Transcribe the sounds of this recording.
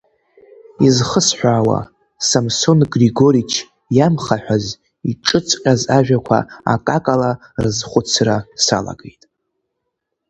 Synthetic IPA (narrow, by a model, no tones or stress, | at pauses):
izχəsħʷᶣaːwa̰ | samso̞nɡriɡo̞ɾit͡ʃʰ | jamχaħʷᶣaz | iʈ͡ʂʼɨt͡sʰʼqʲʼazaʒᶣakʷʰa̰a̰kʼakʼala | rɨzχʷʊt͡sʰrasa̰la̰ɡejtʼ